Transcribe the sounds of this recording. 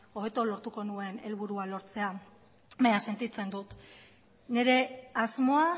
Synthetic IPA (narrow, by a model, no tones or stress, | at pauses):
o̞βe̞t̪olo̞ɾt̪uko̞nue̞ne̞lβuɾualo̞ɾt͡se̞a | maɲase̞nt̪it͡se̞nd̪ut̪ | ne̞ɾe̞azmo̞a